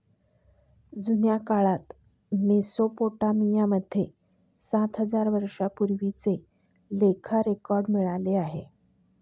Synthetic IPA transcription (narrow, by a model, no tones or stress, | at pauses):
d͡zunjakaɭat̪ | mesopoʈamijaməd̪ʱːje | sat̪ɦəd͡zaɾʋəɾʂapuɾʋit͡se | lekʰaɾekɔɾɖmiɭaleaɦe